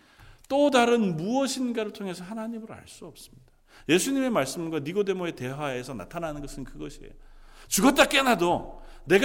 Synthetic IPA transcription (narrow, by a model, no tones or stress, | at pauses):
t͈odaɾɯnmuʌɕʰinɡaɾɯɭtʰoŋɦe̞sʰʌhanaɲimɯɾa̰ɭs͈uʌp̚s͈ɯ̥mɲid̥a | je̞sʰuɲime̞maɭs͈ɯmɯnɡwaniɡode̞moe̞te̞ɦaesʰʌna̰tʰanɦanɯnɡʌsʰɯnkɯɡʌɕʰiḛjot͡ɕuɡʌt͈ak͈e̞nɦadone̞ɡ